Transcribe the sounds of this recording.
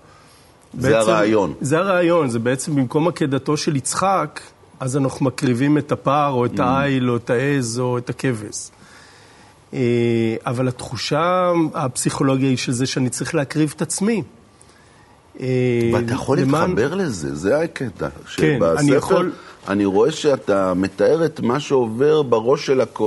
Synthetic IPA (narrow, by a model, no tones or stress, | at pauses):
bbzeeaʁeajo̞nzeaʁeːjo̞nzebeet͡se̞mbimko̞makedato̞ʃe̞lit͡sχak | ʔazanaχnumakʁivime̞tapaʁo̞etaajlo̞etaezo̞etake̞ve̞s | eavalat̪χuʃaːpsiχo̞lo̞ɡjaiʃe̞lzeʃeanit͡saʁiχleakʁivetat͡smi | eveatːajeχoliet̪mχaanbeʁlezḛzeaketa̰ʃeenbaannijeaχolla̰niʁo̞e̞ʃeat̪ame̞t̪ae̞ʁet̪maʃeove̞ʁbaʁo̞ʃelako